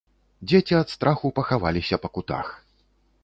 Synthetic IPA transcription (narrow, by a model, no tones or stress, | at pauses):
d͡zʲet͡sʲiɐt̪st̪ɾaxupɐxava̰lʲisʲɐpɐkut̪a̰x